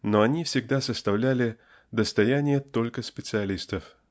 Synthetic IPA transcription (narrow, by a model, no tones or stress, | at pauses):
noɐnʲifsʲɪɡ̚d̪asəst̪ɐvlʲælʲɪ | d̪əst̪ɐjænʲɪjət̪o̞lʲkəspʲɪt̪sɨɐlʲist̪əf